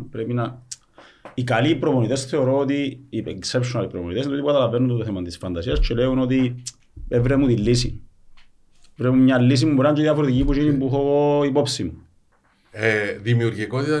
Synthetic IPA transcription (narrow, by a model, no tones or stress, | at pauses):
pɾepinɐ | ikaliːpɾoponit̪esθe̞oɾoot̪ieksepʃonalipɾomonit̪esinotipukɐt̪ɐlɐvenːund̪ot̪oθemɐt̪isfɐnd̪ɐsiɐst͡ʃeleuno̞t̪i | evɾemut̪ilːisḭ | evɾemumɲalːis̬imuuɾeant͡ʃðiɐfoɾet̪icipuʃinimbuxooipo̞psimu | ðimiuɾʝikot̪it̪ɐ